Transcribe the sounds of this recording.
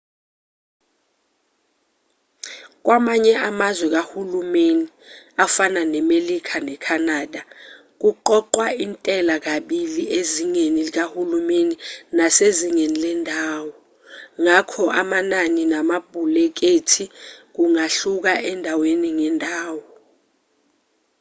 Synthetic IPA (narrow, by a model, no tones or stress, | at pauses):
k̬wamaɲɛamazwɛk̬ahulumeni | afananɛmelikʰanɛkʰanaːda | k̬uǃɔǃwaintʼɛlak̬aɓilieziŋenik̬ahulumeninaseziŋenilɛndʱaːwɔ | ŋakʰɔʔamananinamaɓʱulɛk̬etʰik̬uŋaɬuk̬aʔɛndʱaweniŋɛndʱaːwɔ